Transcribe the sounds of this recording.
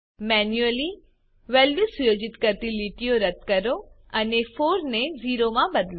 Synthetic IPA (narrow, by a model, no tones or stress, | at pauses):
mɛːnjuəli | ʋɛːlʋisʊjoːd͡ʒɪt̪kəɾt̪iliʈijoɾɐt̪kɐɾo | ɐnefʰoːɾneziːɾomãbɐd̪lo